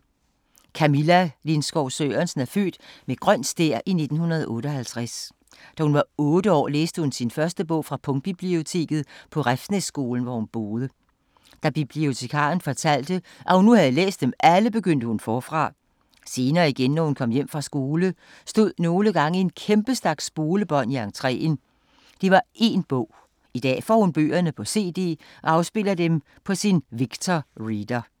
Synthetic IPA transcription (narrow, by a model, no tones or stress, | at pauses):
kʰæmilælinsɡ̥ɒʊsøːɐnsn̩æɐfø̰ːd̥meɡ̥ʁɶn̰̥sd̥eɐ̰ʔine̝d̥n̩hunɐð̞̩ˠʔɔ̽ːɾəɒ̽hælt͡sʰʁas | d̥æhunʋɑ̈ɔ̽ːd̥əɒ̰ːlḛːsd̥əhunsinfɶɐsd̥əb̥ɔ̽ʊ̰fʁɑ̈pʰɔ̽ŋ̥̚b̥ib̥lio̝t͡sʰe̝̰ːɡ̥ð̞̩ˠpʰɒ̽ʁafnesːɡ̥o̝ːln̩ʋɒhunb̥o̝ːð̞ˠə | d̥æb̥ib̥lio̝t͡sʰe̝kʰɑ̰̈ːn̩fɒ̽t͡sʰæl̰d̥ə | ʔæhunːuhæðˠəlḛːsd̥emʔæləb̥e̝ɡ̥øn̰d̥əhunfɒːfʁɑ̈ | se̝ːnɐːiɡ̥enːɒhunkʰɒ̽m̰jem̰fʁɑ̈sɡ̥o̝ːlə | sd̥o̝ð̞̰ˠno̝ːləɡ̥ɑ̈ŋəe̝nkʰemb̥əsd̥æɐɡ̥sb̥o̝ːləb̥ɒ̽n̰iɑ̈ŋt͡sʰʁɛ̰ːn | d̥iʋɑ̈e̝ːnb̥ɔ̽ʊ̰ | id̥ɛ̰ːfɒ̰ːhunb̥ø̰ːɐnəpʰɒ̽se̝̰ːd̥e̝̰ː | ʔɒ̽ɑ̈ʊsb̥e̝l̰ɐd̥em | pʰɒ̽sinʋiɡ̥t͡sʰɒʁiːd̥ɐ